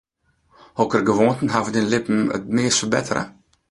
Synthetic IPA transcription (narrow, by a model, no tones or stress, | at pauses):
hɔkərɡəvɔntn̩ɦavədɛnlɪpm̩ə̰tmeːsəbɛ̰tʰəɾə̰